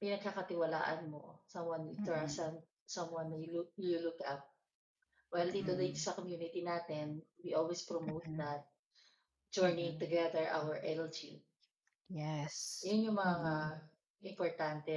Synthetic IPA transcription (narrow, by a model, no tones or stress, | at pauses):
mɐjnɐɡ̚kakɐt̪ɪwɐla̰ːʔɐnmosɐ̃mwɐnt̪ʊɹasɐn | sɐ̃mwanːɐjlululʊkap̚ | wɛjld̪iːt̪od̪it̪osɐkomjuːnɪt̪inaːt̪ɛnwiʔolwespɹɔmowt̪d̪ɐt̪̚ | d͡ʒɔɹnɪ̃ŋt̪ʊɡɛðɛɹʔa̰wəɹʔɛld͡ʒi | jɛsjonjʊŋmɐŋaŋa | ʔɪmpɔɹt̪ant̪ɛ